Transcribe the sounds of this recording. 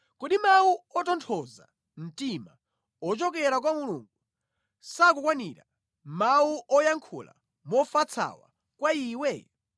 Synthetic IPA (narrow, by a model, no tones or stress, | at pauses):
kɔɗimauɔtɔntʰɔza̰ | m̩tima | ɔt͡ʃɔkɛɾak̬wamulṵŋɡu | sakukwaniɾa | mauʔɔjaŋkʰṵla̰ | mɔfat͡sʰa̰wa̰ | kwaiːwɛ